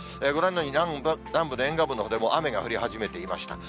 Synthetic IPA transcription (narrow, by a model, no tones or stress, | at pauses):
eɡoɾãnd̪oɲ̟iabnãmbɯnoẽ̞ŋɡabɯ̟nːoɦod̪emo̞ʔame̞ɡaɸɯ̟ɾʲihaʑime̞t̪e̞ima̰ɕi̥t̪a